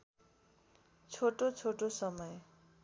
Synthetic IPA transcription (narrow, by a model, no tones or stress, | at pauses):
t͡sʰoʈot͡sʰoʈosʌmʌj